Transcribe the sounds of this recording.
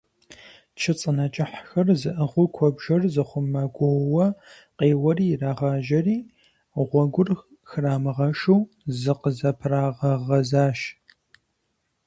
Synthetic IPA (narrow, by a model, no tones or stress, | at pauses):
t͡ʃʰɨt͡sʼɨnɐt͡ʃʼɪħxɐrzɨʔɨʁʷʊkʷʰɔbʒɐrzɨχʷʊmːɐɡʷɔwɐ | qeːwɐriːjraːʁaːʒɐriː | ʁʷɔɡʷʊrx | xɨraːmɨʁɐʃuw | zɨqəzɐpʰraːʁɐʁɐzaːʃ